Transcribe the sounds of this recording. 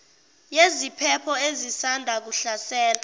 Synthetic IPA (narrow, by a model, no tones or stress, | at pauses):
jezipʰɛpʰɔezisandʱak̬uɬasɛːla